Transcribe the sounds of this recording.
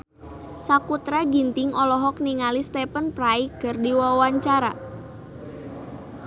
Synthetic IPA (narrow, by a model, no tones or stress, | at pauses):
sakut̪ɾaɡint̪ɪŋɔlɔɦɔk̚niŋalist̪ɛpənpɾaikərdiwawaɲt͡ʃaɾa